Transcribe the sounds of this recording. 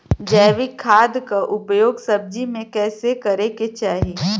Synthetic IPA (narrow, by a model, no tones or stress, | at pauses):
d͡ʒɛːʋɪkʰːaːd̪kaʔʊpjoːɡsɐb̚d͡ʒimẽkɛːsekɐɾeket͡ʃaːɦiː